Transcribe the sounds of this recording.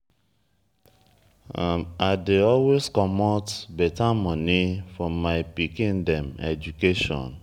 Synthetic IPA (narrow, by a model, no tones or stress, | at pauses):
aadeɔlweskɔmɔtbɛtamɔnifɔ̃mːaɪpikĩndɛ̃mɛ̰d͡ʒukeʃɔ̰̃n